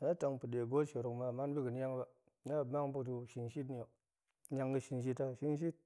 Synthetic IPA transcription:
na˦ta˨ŋpu˨de˨ɡo˦t͡ʃe˨ɾu˨kma˨ma˦n˦bi˦ɡə˨n˦ja˦ŋ˦ba˨ | na˦˨ba˦ŋbu˦t̬u˧ʃi˨nʃi˦tni˨o˨˦ | a˧ŋɡə˦ʃi˧nʃi˦ta˦˨ʃi˦nʃ̬i˦t̚

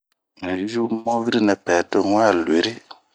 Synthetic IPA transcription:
ʒu˦mo˦vi˦ɾi˦nɛ˨pɛ˨to˦ŋɔ̃˦a˦˨le˨ɾi˦

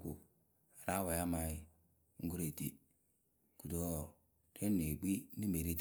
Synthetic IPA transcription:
ku˨ | a˨ɾa˦wa˨ja˦ma˨i˦ | ŋ̩˦ɡu˦ɾe˨ti˦ | ku˨do˦˨ | ɾe˦nːe˨ɡ͡bi˦n˦i˦m˦be˨ɾi˦t

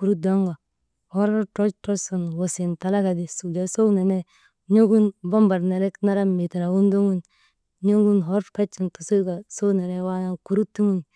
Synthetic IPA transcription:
ku˨ɾu˦da˦ŋɡa˨ | hɔ˦ɾa˦tɔ˦t͡ʃtɔ˦su˨nwo˨si˨nta˨la˦ka˨di˨su˨d͡ʒa˨˦so˦wne˨nɛ˦ | ɲo˦ɡu˦nba˦mba˨ɾne˨ɾɛ˦kna˦ɾa˦mi˨ta˨ɾa˨wu˦ndo˦ŋɡu˦n | ɲo˦ɡu˦nɦɔ˦ɾka˦t͡ʃːi˨ntu˨su˦ka˨so˦ne˨ɾɛ˦wa˦ja˦ku˨ɾu˦tːu˦ŋu˦ŋ

